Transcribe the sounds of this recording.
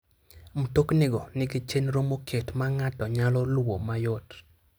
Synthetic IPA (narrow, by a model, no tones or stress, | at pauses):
mutoknɪɡɔnɪɡɪt͡ʃenɾomokʰetmaŋatɔɲalɔlwo̰majot